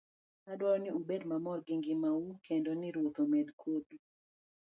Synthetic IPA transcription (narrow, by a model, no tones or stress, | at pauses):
adwaɾɔnɪubedmamɔrɡɪŋɡɪmaukʰendonɪɾwot̪omedkʰodu